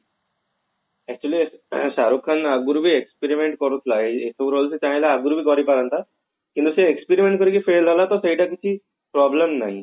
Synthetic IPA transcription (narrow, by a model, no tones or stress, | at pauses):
ɛk̚t͡ɕulisaɾukʰːanaɡuɾubʱiːekspiɾimeɳʈ̚kɔɾut̪ʰlaeesʰəʋɾolset̪jãĩlaːɡuɾubʱiːkɔɾipaɾant̪a | kĩnt̪useekspiɾimẽɳʈ̚kəɾikifeld͡zʱalat̪ɔsəɦiʈak̬it͡ɕʰi | pɾɔbləmnaɦi